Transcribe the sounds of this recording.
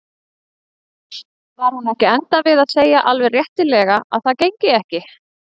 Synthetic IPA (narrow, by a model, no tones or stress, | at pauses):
vaɾ̥hunɛhcɪɛnt̪avɪðaðseːjaʔalvɛrjɛht̪ɪlɛɣaa̰ðθaðcejɲcɪɛhcɪ